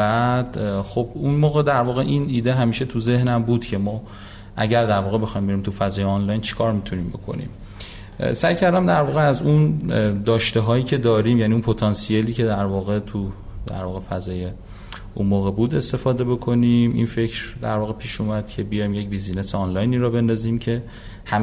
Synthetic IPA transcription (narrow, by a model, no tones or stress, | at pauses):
æd̪̥xo̞bunmoːɣe̞d̪æɾvɒːɣe̞ʔiniːd̪eɦæmiːʃe̞t̪ʰuze̞hnæmbuːd̪̥cʰe̞mɒː | ʔæɟæɾd̪æɾvɒːɣe̞be̞xɒːjmbe̞ɾiːmt̪ʰufæzɒːjeɑnlɒjnt͡ʃʰe̥kʰɒːɾmit̪ʰuniːmbe̞̰kʰo̞̰nḭm | sæjcʰæɾd̪æmd̪æɾvɒːɣeæzund̪ɒːʃt̪eɦɒːjiːcʰe̞d̪ɒːɾiːmjæniunpʰo̞t̪ʰɒnsijeliːcʰe̞d̪æɾvɒːɣe̞t̪ʰud̪æ̰ɾvɒːɣe̞fæzɒːje̞ | unmoːɣe̞buːd̪e̞st̪e̞fɒːd̪e̞be̞kʰo̞nimḭnfe̞cʰɾd̪æ̰ɾvɒːɣe̞pʰiːʃumæd̪̥cʰe̞bijɒjmje̞c̚biːzine̞seɒnlɒjniːɾɒːbe̞nd̪ɒziːmcʰe̞ | hæm